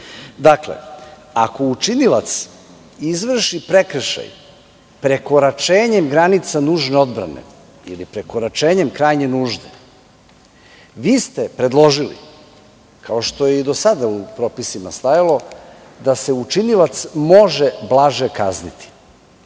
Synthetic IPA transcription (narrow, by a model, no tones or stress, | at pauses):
d̪aklḛ | ako̞ut͡ʃinila̰t̪s | izʋr̩ʃipɾe̞kr̩ʃa̰j | pɾe̞ko̞ɾat͡ʃe̞ːɲe̞mɡɾanit̪sanuːʒne̞o̞d̪bɾa̰nḛ | ḭlipɾe̞ko̞ɾat͡ʃe̞ːɲe̞mkɾaːjɲenuːʒd̪ḛ | ʋiːst̪e̞pɾe̞d̪lˠo̞ʒilḭ | kʰao̞ʃt̪o̞jeid̪o̞sad̪aupɾo̞ːpisimast̪ajalo̞ | d̪ase̞ut͡ʃinilat̪smo̞ʒeblˠaʒekaznit̪ʰi̥